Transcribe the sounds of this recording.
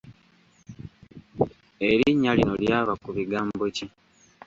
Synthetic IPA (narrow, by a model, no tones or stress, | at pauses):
eɾiɲːalino̞ljaːβakuβiɡaːmbo̞ci